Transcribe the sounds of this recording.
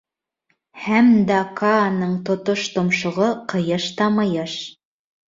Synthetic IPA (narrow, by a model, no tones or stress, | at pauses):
hæmd̪ɑkʰɑːnɤɴt̪ŏt̪oʃt̪ŏmʃŏʁɤqɤ̆jɤʃt̪ɑmɤ̆jɤʃ